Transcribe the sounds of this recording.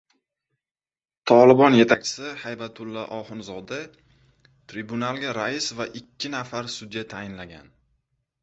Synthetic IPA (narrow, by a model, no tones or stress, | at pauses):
t̪ʰɒlɪbɒnje̞t̪ʰak̚ʲt͡ʃʰɪ̥sɪhajbat̪ʰʊlˠːaʔɒhɪnzɒd̪ɪ | t̪ʰɾibʊnalˠɡʲaɾaɪsvaʔɪkʲʰːɪnafaɾsʊd̪jat̪ʰajɪnlaɡʲan